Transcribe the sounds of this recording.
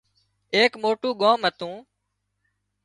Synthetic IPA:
eːkmoːʈuːɠoːmɦət̪ũː

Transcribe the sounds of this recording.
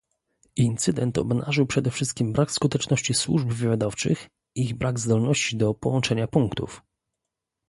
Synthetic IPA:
int̪sɘd̪ɛnt̪ɔ̰bna̰ʐɘwpʂɛd̪ɛfʂɘst̪kʲimbɾakskut̪ɛt͡ʂnɔɕt͡ɕiswṵʐbvɘvʲjad̪ɔft͡ʂɘ̰x | iɣbɾaɡzd̪ɔlnɔɕt͡ɕid̪ɔpɔwɔnt͡ʂɛɲapuŋkt̪ṵf

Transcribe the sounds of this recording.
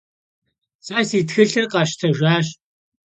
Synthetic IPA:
sʼaːsiːtxɨɬɨrqɑʃtʰɐʒʷaːɕ

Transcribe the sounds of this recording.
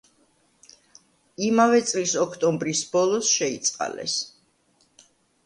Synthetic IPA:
imavɛt̪sʼlisɔkʰt̪ʼɔmbɾisbɔlˠɔsʃɛit̪sʼqʼa̰lɛ̰s

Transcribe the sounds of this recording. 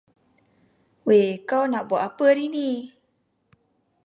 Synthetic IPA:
wekawnaʔbɔʔapəɾini

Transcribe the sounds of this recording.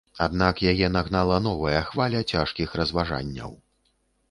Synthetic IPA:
ad̪nakjajɛnaɣnalˠɐnɔvɐjɐxvalʲɐt͡sʲaʂkʲixɾɐzvaʐa̰nʲːɐ̰w

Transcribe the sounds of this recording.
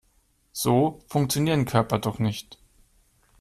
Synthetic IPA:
z̥oːfʊŋk̚t͡sjoniːʁənkʰœɐpɐdɔχnɪçt

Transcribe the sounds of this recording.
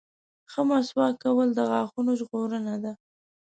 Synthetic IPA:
xəmɑswɑkawəld̪əɣaxunoʒɣoɾənad̪a

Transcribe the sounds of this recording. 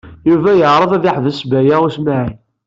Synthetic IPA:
juvæjəʕɾˤəðæðiħðəsbæjaʁusmaʕi

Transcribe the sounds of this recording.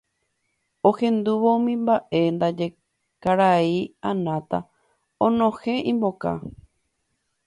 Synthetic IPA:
ohẽ̞nd̪uʋoũmĩmbaʔe̞nd̪ad͡ʒe̞ | kaɾaiãnãt̪a | õnõhe̞ʔĩmbo̞ka̰

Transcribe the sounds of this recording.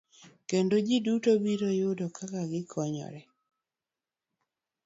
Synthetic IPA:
kendod͡ʒidutobiɾojʊdɔkakaɡɪkʰɔɲɔ̰ɾɛ

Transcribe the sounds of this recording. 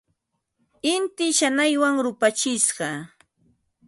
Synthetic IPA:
ɪnt̪ɪʃanajwaŋɾʊpat͡ʃɪsɢɑ

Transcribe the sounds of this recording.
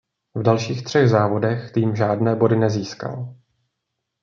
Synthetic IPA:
vdalʃiːxt̪r̝̥ɛɣzaːvo̞dɛxt̪iːmʒaːdnɛːbo̞dɪnɛziːska̰l

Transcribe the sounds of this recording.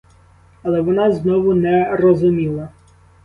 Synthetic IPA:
ɐlˠɛʋɔnɑznɔʋʊnɛrɔzʊmʲilˠɐ

